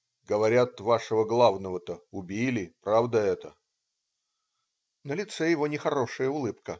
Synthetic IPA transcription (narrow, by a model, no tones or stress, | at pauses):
ɡəvɐɾʲat̪vaʂəvəɡlˠavnəvət̪əʊbʲilʲɪpɾavd̪əɛt̪ə | nəlʲɪt̪sɛjɪvo̞nʲɪxɐɾo̞ʂɨjəʊlˠɨpkə